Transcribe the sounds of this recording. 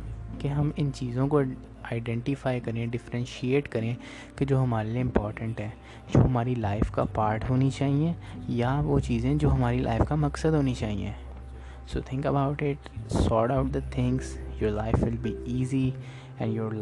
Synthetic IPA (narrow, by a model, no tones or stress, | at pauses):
keɦɐmɪ̃nt͡ʃiːzõko | aːɪɖɛ̃ɳʈɪfaːɪkɐɾẽɖɪfɾɛ̃nʃieːʈkɐɾẽ | ked͡ʒoːɦɐmaːɾelieɪ̃mpɔːɾʈə̃ɳʈɦɛː | d͡ʒo̰ːɦɐmaːɾilaːɪfkapaːɾʈɦoːnit͡ʃaːɦiẽjaʋoːt͡ʃiːzẽd͡ʒoːɦɐmaːɾilʔa̰ːɪfkamɐksəd̪ɦoːnit͡ʃaːɦḭḛ̃ː | so̰ːt̪ʰɪ̃ŋkəbaʊʈɪʈ | sɔːɖaʊʈ̚d̪ət̪ʰɪ̃ŋɡsjoːɾlaɪfʋɪlbiiːzi | ɛ̰̃ɳɖjoːɾ